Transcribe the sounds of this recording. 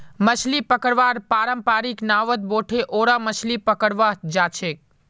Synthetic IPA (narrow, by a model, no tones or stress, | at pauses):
mət͡ʃlipəkəɽʋaːɾpaːɾəmpaːɾiknaːʋət̪̚boːʈʰeʔoːɾamət͡ʃʰlipəkəɽʋad͡ʒaːt͡ʃʰek̚